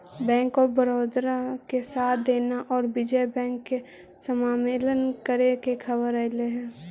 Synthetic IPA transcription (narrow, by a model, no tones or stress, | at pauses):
bɛ̃ːŋkːobəɾoːd̪ɾakesaːt̪̚ʰd̪eːnaʔɔːɾbɪd͡ʒɛjbɛ̃ːŋkːe | səmaːmeːlənkəɾekekʰəbəɾəleɦɛ̃ː